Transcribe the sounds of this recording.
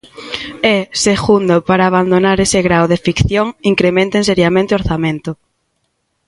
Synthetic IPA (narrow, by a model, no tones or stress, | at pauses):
eseɣund̪opaɾaːβ̞and̪onaɾesɪɣɾawðefikθjoŋiŋkɾemẽnt̪eŋseɾjamẽnt̪eoɾθamẽnt̪ʊ